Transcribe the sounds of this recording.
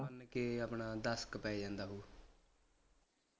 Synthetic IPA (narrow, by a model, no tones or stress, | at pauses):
ənkeəpɳaːd̪əskpɛːid͡ʒãːnd̪aːɦuː